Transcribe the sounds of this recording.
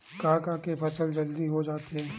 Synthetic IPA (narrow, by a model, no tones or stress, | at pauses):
kãːkãkepʰɐsəld͡ʒɐld̪iɦod͡ʒaːt̪eɦɛ̃ː